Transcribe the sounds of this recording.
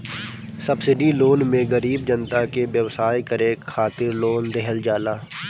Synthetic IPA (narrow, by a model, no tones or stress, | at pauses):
səbsɪɖiloːnmẽɡəɾiːb̚d͡ʒənt̪akeʋjəʋsaːjkəɾeːkʰːaːt̪ɪɾloːnd̪ɛɦəld͡ʒaːlaː